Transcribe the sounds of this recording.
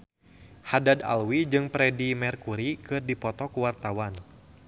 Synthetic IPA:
hadada̰lwid͡ʒɨŋpɾɛdimɛrkuɾikɨrdipɔt̪ɔkuwart̪awan

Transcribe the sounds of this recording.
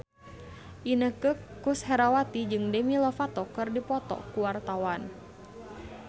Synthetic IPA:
ʔinəhkəkushɛɾawat̪id͡ʒɨŋdəmilɔfat̪ɔkɨrdipɔt̪ɔ̰kuwart̪awan

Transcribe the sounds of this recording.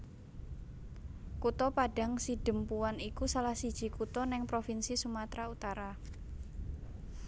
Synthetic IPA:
kut̪ɔpaɖ̥a̤ŋsid̥ə̤mpuwanikusalahsid̥ʒ̥i̤kut̪ɔnɪŋpɾofinsisumat̪ɾaut̪aɾa

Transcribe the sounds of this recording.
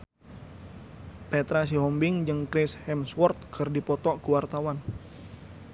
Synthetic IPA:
pɛt̪ɾas̬iɦɔmbɪŋd͡ʒəŋkɾɪshɛmswɔrt̪̚kʰərdipɔt̪ɔkuwart̪awan

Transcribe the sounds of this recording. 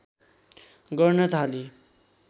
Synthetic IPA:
ɡʌrnʌt̪ʰali

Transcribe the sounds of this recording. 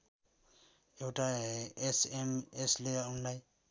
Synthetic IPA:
ekʈaesemesleɔnlaj

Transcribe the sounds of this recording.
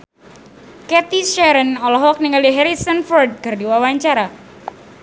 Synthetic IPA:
kɛt̪iʃɛɾənɔlɔɦɔk̚niŋaliɦɛɾisənfɔrd̪̚ɡ̥ərdiwawaɲt͡ʃaɾa

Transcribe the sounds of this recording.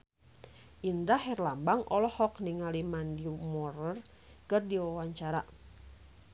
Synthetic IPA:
ʔindahɛrlambaŋʔɔ̰lɔhɔkniŋalimandimɔrər | kɨrdiwawaɲt͡ʃaɾa

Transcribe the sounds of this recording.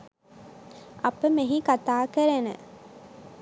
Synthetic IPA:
ɐpəmeɦikat̪aːkəɾenə̰

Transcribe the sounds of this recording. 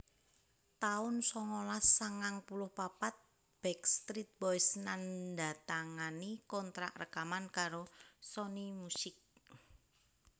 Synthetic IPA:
t̪aʊnsɔŋɔlasːaŋaŋpulʊhpapat̪̚ | b̥ɛkst̪ɾit̪̚bɔjsnanda̤t̪aŋanikɔnt̪ɾa̰ʔrəkamankaɾosɔnimusɪk̚

